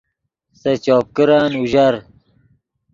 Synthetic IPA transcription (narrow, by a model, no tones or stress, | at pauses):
sɐt͡ɕɔːp̚kiɾaːnuʑɐɾ